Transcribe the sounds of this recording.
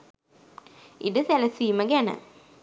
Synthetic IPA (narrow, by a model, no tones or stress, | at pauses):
iɖəsælɐsiːməɡænə̰